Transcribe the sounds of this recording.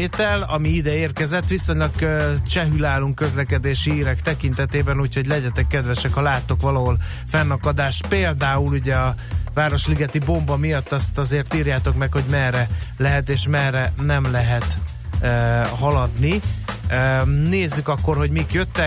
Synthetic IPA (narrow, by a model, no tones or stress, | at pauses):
eːt̪ɛlɒmiid̪ɛeːrkɛzɛt̪ːʋiso̞ɲlɒkøt͡ʃɛɦylaːluŋkːø̞zlɛkɛd̪eːʃiiːɾɛkt̪ɛkint̪ɛt̪eːbɛnuːcʰho̞ɟlɛɟɛt̪ɛkːɛd̪vʋɛʃɛkhɒlaːt̪ːo̞kʋɒlɒɦol | fɛnːɒkɒd̪aːʃt̪peːld̪aːuluɟɛɒvaːɾo̞ʃliɡɛt̪ibo̞mbɒmijɒt̪ːɒst̪ɒzeːrt̪iːrjaːt̪o̞kmɛkho̞ɟmɛrːɛlɛɦɛt̪eːʃmɛrːɛnɛmlɛɦɛt̪ː | ɦɒlɒd̪ni | neːzːykɒkːo̞rho̞ɟmikjøt̪ːɛ